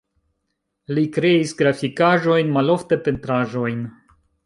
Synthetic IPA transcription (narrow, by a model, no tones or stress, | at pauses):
likɾe̞isɡɾafikaʒo̞jnmalo̞fte̞pe̞ntɾaʒo̞jn